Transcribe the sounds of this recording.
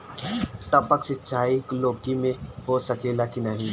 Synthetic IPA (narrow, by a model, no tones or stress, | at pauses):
t̪ɐpəksɪtːʃʰaːikloːkimẽɦosɐkeːlakinɐɦĩ